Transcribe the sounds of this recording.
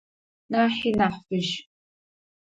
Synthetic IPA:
naːħinaħfɨʒ

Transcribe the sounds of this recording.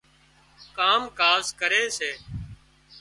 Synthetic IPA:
kaːmkaːskəɾeːseː

